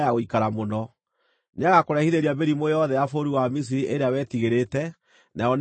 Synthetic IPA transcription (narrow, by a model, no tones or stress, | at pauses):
aɣoikaɾamonɔ | neaɣakoɾɛhiðeɾiabeɾimoeɔðɛafoɾiwamis̬iɾiʔeɾeawɛːtiɣeɾetɛ | najɔn